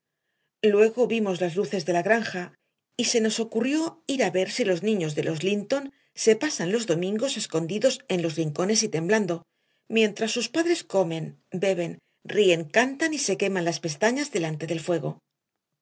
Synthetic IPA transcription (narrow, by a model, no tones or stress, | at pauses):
lwe̞ɣo̞βimo̞zlazluθe̞zðe̞laɣɾaŋxa | ise̞no̞so̞kurjo̞iɾaβe̞ɾsilo̞znĩɲo̞zðe̞lʔo̞zlint̪o̞n | se̞pasanlo̞zðo̞mĩŋɡo̞se̞sko̞nd̪iðo̞se̞nlo̞zriŋko̞ne̞s̬it̪e̞mbland̪o̞ | mjẽ̞nt̪ɾasːuspaðɾe̞sko̞me̞nbe̞β̞e̞n | rie̞ŋkant̪anise̞ke̞manlaspe̞st̪aɲazðe̞lant̪e̞ðe̞lfwe̞ɣ̞o̞̰